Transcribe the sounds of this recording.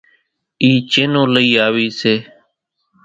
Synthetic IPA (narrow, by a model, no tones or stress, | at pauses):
iːt͡ʃeːnoːləiːaːʋiːseː